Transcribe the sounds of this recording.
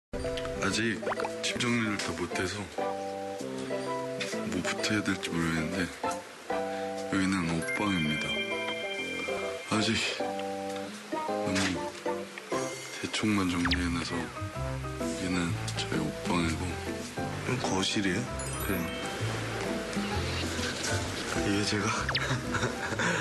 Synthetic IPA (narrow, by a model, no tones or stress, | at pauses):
ad͡ʑik̚t͡ɕʰimd͡ʑʌŋɲiɾɯɭtʰʌmotʰe̞s̬ʰʌ | mopu̥tʰejadeɭt͡ɕ͈imoɾenɯnde̞ | jʌɡinɯnok̚p͈aŋimɲida | ad͡ʑik̚ | konɯn | te̞t͡ɕʰoŋmand͡ʑʌŋɲŋoɦenasʰʌ | jʌɡinɯnt͡ɕʌḛok̚p͈aŋeɡo | nɯnkʌɕʰiɾe | kɾe | iɡet͡ɕe̞ɡa